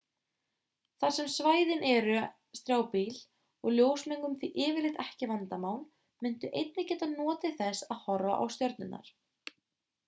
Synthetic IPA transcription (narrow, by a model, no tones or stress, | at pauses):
θaɾ̥sɛmsvaːjðɪnʔɛɾʏ | st̪ɾjaːwpil | ɔɣljoːwsmiŋkʏmθviʔɪːvɪɾlɪt̪ɛhcɪvant̪amawn | mʏn̥t̪ʏʔejt̪nɪcɛːt̪anɔːt̪ɪθɛsaðhɔɾva̰ʔa̰wst̪jœɾt̪nʏnːa̰ɾ̥